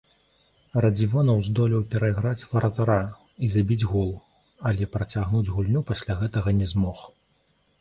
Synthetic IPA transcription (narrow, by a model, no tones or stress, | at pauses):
rɐd͡zʲivɔnɐwzd̪ɔlʲiwpʲɛɾɐiɣɾat͡sʲvɐɾɐt̪aɾa | izabʲid͡zʲɣulˠ | ɐlʲɛpɾɐt͡sʲaɣnud͡zʲɣulʲnʲupasʲlʲaɣɛt̪ɐɣɐnʲɛzmɔx